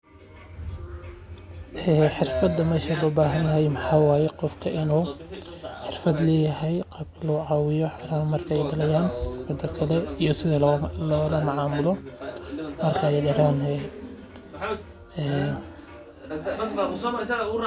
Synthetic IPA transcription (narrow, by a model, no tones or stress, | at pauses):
ʔɛːħɪrfɐd̪ɐmɛːʃalʊbaːɦɐnjɐɦɛjmɑħɑːwɑːjɛqɔfkʰɐʔɪnuː | ħɪrfɐd̪lɛːjɐhɛjqɑːb̚kʰɐlɐʊʕɑːwɪjɔħɔɔːɾɐːhɐmɐrkʰɐɛjɖɐlɐjaːnbɪd̪ɐkʰɐlɛijɔsɪðɐlɔːlɐmɑʕɑːmʊlɔ | mɐrkʰɐɛjɖɐɾaːnɦɛː | ɛː